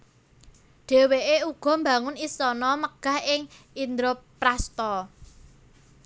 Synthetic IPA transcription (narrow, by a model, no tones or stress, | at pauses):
ɖ̥e̤weʔeuɡ̥ɔ̤mba̤ŋʊnisɔnɔməɡ̥ä̤hɪŋ | ind̪ɾo | ɾast̪ɔ